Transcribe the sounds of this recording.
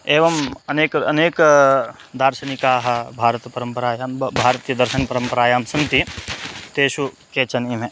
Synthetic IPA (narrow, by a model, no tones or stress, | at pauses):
eːʋɐmɐneːkɐ̰neːk | d̪aːɾʃɐnikaːɦɐ̆bʱaːɾət̪pɐɾɐmpɐɾaːjaːmbʱaːɾt̪ijɐd̪ɐɾʃɐnpɐɾɐmpɐɾaːjaːmsɐ̃ŋt̪it̪eːʃu | keːt͡ʃɐnime